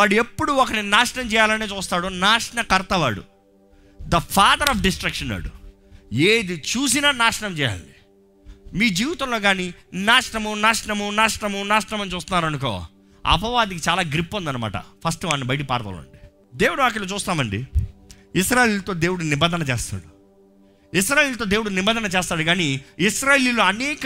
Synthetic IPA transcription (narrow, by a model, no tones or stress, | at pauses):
aːɽue̞pːuɽuɔkɐninaːʂɐɳɐmt͡ʃɛːjaːlɐneːt͡ʃuːst̪aːɽunaːʂɐɳɐkɐɾt̪ɐʋaːɽṵ | d̪ɐpʰaːd̪ɐɾaːp̬ɖisʈɾɐkʂɐnːa̰ːɽu | eːd̪it͡ʃuːs̬inɐːnaːʂɐɳɐmt͡ʃɛːja̰ːlɐ̰nɖi | miːd͡ʒiːʋit̪ɐmlo̞ːɡaːninaːʂɐɳɐmunaːʂɐɳɐmunaːʂɐɳɐmunaːʂɐɳɐmɐnːit͡ʃuːst̪unːaːɾɐnuko̰ː | ɐ̰pɐʋaːd̪ikit͡ʃaːlaːɡɾipːond̪ɐnːɐma̰ːʈɐ̰pʰɐsʈʋaːnːibɐjʈ̬ipa̰ːɾɐt̪ɐ̰ːlɐ̰ɳɖi | d̪e̞ːwuɽuaːk̬ɐloːt͡ʃuːst̪aːmɐɳɖi | isɾaːjelt̪o̞ːd̪e̞ːwuɽunibɐnd̪ʱɐnɐt͡ʃeːst̪a̰ːɽu | is̬ɾaːjeːlt̪oːd̪eːwuɽunibɐnd̪ɐnɐt͡ʃeɛːst̪aːɽuɡaːniisɾaːjeːliloːɐneːk